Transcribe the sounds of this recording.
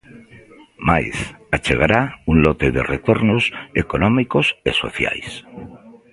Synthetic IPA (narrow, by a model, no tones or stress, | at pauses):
majsat͡ʃe̞ɣ̞aɾaunlo̞t̪eðe̞̰ret̪o̞ɾnosekonõmiko̞se̞so̞̰θja̰js